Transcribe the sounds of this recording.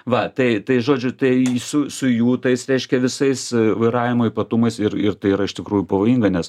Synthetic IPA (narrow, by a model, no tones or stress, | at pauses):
ʋɐt̪ɐɪt̪ɐɪʒoːd͡ʒʲʊt̪ɐɪsʊsʊjuːt̪ɐɪsɾʲɛɪʃʲkʲɛʋʲɪsɐɪsʋɐɪɾɑːʋʲɪmoːipɐt̪ʊmɐɪsɪrɪrt̪ɐɪiɾɐɪʃt̪ʲɪkɾuːjupɐʋoːjiːŋɡɐnʲɛs